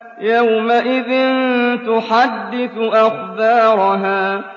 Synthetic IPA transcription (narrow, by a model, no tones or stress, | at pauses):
jawmaʔɪðɪnt̪ʊħad̪ːɪθʔaxdɑːɾˤʊɦaː